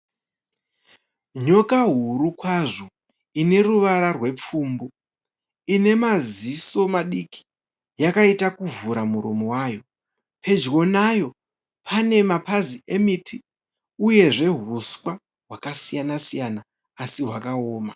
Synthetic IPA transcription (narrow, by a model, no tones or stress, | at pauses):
ɲo̞kaɦuɾukwaʐo̞ | ine̞ruʋaɾarwe̞p͡fuːmbu | ine̞maziso̞maɗikʰi̥ | jakaitakuvuɾamuɾomowajo̞ | pʰe̞d͡ʒɡo̞najo̞ | pʰane̞mapaziʔemitʰi | uje̞ʐe̞ɦuskwa | ɦwakasijanasijanaː | siɦwakaoːma